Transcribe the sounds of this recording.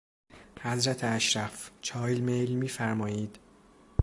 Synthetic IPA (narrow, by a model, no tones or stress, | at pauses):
hæzɾæt̪ʰeæʃɾæft͡ʃʰɒːjlmejlmiːfæɾmɒːjiːd̪̥